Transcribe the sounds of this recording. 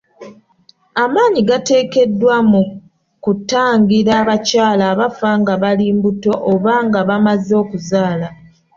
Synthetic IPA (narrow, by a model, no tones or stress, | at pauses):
amaːɲiɡate̞ːke̞dːwamu | kutaːŋɡiɾaβacaːlaːβafaŋɡaβaliːmbuto̞ʔoβaːŋɡaβamazo̞ːkuzaːla